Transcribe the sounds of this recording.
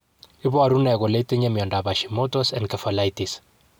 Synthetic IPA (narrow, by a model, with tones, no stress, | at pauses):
ɪ˦bɔ˦a˨ɾuna˨ɡo˨le˦te˦ɲe˦m˨ɔ˨nda˨ba˨ʃimo˦tɔsɛ˨nkɐfɐ˨lajtis